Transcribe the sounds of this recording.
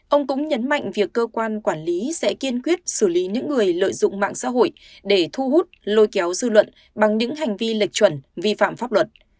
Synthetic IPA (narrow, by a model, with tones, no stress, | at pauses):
ʔə˧wŋ͡mkʊ̰˧˥ŋ͡mɲə˨˦nma̰˧˨jŋ̟vi˨˩əkːəː˧kwaː˧nkwaː˧˩nli˨˦sɛ̰˧˥ki˧ənkwi˦˥ət̚sɨ˧˩li˨˦ɲɨ̰˧˥ŋːɨ˨˩əjlə̰ː˧˨jzʊ̰˧˨ŋ͡mma̰ː˧˨ŋsa̰ː˧˥ɦo̰˧˨j | ɗe˧˩t̪ʰu˧ɦu˦˥t̚lo˧jkɛ˨˦wzɨ˧lwə̰˧˨n | ɓa˨˩ŋɲɨ̰˧˥ŋɦa˨˩jŋ̟vi˧lï˨˩k̚t͡ɕwə˧˩nvi˧fa̰ː˧˨mfaː˦˥p̚lwə˨˩t̚